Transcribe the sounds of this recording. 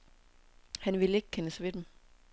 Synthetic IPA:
hænʋileɡ̥̚kʰenəsʋed̥em

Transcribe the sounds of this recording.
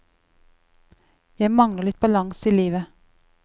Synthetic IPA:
jæɪmɑŋləʁlɭɪt̪̚b̥ɑlɑŋsiːliːʋə

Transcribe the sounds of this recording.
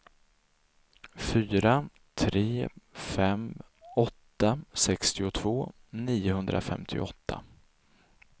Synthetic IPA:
fyːɾa | t̪ʰɾeːfɛm | ɔt̪ːasɛkst̪ɪʊt̪ʰv̥oː | niːʊhɵnd̪ɾʔa̰fɛ̰mt̪ʰɪ̰ɔt̪ʰːa̰

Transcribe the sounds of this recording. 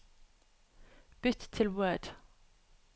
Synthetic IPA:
b̥ʏt̪t̪ʰɪlwɜːd̥

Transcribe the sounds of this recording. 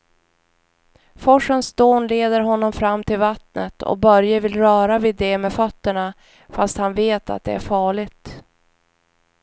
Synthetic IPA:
fɔʂənsd̪oːnleːd̪əɾɦɔnːɔmfɾamːt̪ʰɪlvat̪nət̪ʰɔ̰k̚bœɾjəvɪlɾœːɾavɪd̪ːɛmɛfœt̪ːəɳa | fast̪hanveːt̪a̰t̪̚d̪ɛ̰æɾfɑːɭɪɡt̪

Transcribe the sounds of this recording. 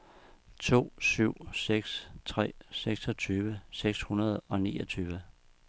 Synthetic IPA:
t͡sʰo̝̰ːsyʊ̰seɡ̥st͡sʰʁɛ̰ːseɡ̥sɒ̽t͡sʰyːʋəseɡ̥shunɐð̞̩ˠɒ̽niːɒ̽t͡sʰyːʋə

